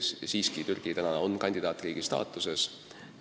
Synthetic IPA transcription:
ssiːskit̪yrɡ̥it̪ænɑonkɑnʲd̪̥ʲid̪̥ɑːt̪ːˑriːɡ̥ist̪ɑ̰ːt̪ːˑuse̞s

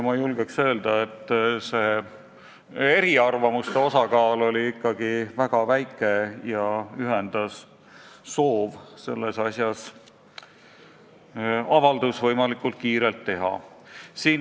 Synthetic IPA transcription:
mɑjulɡ̥eksø̞ːld̪̥ɑe̞t̪ːˑse̞ː | eɾiɑrvɑmust̪e̞o̞sɑɡɑːlo̞lʲiikːɑɡ̥ivæɡ̥ɑvæjkːˑe̞jɑyɦe̞nd̪̥ɑsː | o̞ːvse̞̰lːe̞sɑsjɑs | ɑvɑld̪̥usvɤ̞jmɑlikːˑult̪̚kiːɾe̞lt̪ːe̞ɦɑ̰siːn

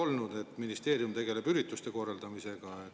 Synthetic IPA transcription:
o̞lnud̪e̞t̪ːminist̪e̞ːɾijumt̪e̞ɡ̥e̞le̞b̥yɾit̪ːˑust̪e̞ko̞ːrɑld̪̥ɑmise̞ɡ̥ɑe

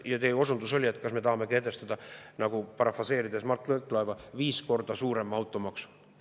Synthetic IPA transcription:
jɑt̪ejo̞sund̪uso̞lʲie̞t̪ːˑkɑsme̞t̪ɑhɑme̞ke̞d̪ˑe̞st̪ɑd̪̥ɑnɑɡ̥upɑɾɑfɑse̞ːɾid̪e̞smɑrt̪ˑlɤk̪ːˑlɑevɑviːsko̞rd̪̥ɑsuːɾe̞mːɑwt̪ːˑo̞mɑksu̥

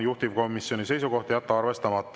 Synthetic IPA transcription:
juht̪iv̥ko̞misjo̞nise̞jsuɡo̞ht̪jæt̪ːɑɑrve̞st̪ɑmɑt̪ːˑ

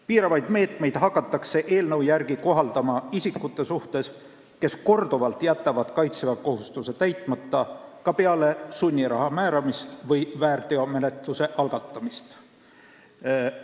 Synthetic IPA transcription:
piːɾɑvɑjd̪̥me̞ːt̪ˑme̞jd̪̥ɦɑkːˑɑt̪ːˑɑkse̞ʔe̞ːlnɤwjærɡiko̞ɦɑld̪̥ɑmɑisikːˑut̪ːˑe̞suht̪e̞s | ke̞sko̞rd̪̥uvɑlt̪jæt̪ːˑɑvɑd̪̥kɑjt̪sevɑko̞ɦust̪uset̪æjt̪ˑmɑt̪ːɑkɑpe̞ɑle̞sunʲːiɾɑɦɑmæːɾɑmist̪vɤjvæːrt̪eome̞ne̞t̪luse̞ʔɑlɡ̥ɑt̪ːˑɑmist̪

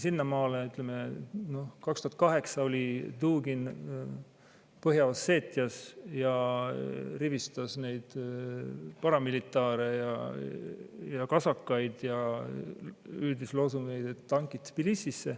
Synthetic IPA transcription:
sinːɑmɑːleyt̪ˑlemeno̞hkɑkst̪uhɑt̪kɑɦe̞ksɑo̞lʲid̪uːɡin | pɤɦjɑɑsːe̞ːt̪ːˑiɑsjɑ | rivist̪ɑsnejd̪̥ | pɑɾɑmilit̪ːˑɑːɾe̞jɑ̰ | jɑkɑsɑkːɑjd̪̥jɑ | yːd̪islo̞suŋejd̪̥et̪ːɑŋkit̪ːpilisisːe̞

